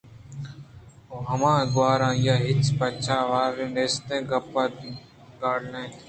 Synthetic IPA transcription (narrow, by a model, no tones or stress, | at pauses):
oːɦəmãːɡwaːɾãːjaːɦɪt͡ʃpət͡ʃʰaːʋaːɾẽːeːst̪ẽːɡəpːaː | ɡaːɽnẽː